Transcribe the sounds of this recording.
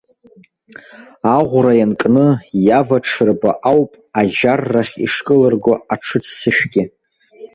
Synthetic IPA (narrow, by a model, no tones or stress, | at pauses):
aʁʷrajankʼnɨjavaʈ͡ʂʰɨrba̰ʔawpʼaʒarːaχʲḭʂkʼɨlɨrɡʷoaʈ͡ʂʰɨt͡sʰsɨʃᶣɡʲɪ